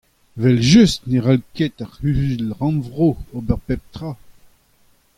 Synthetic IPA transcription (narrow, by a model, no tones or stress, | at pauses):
vɛlʒyst̪neʁalket̪aʁhylʁɑ̃nvʁoobɛʁpɛp̚t̪ʁa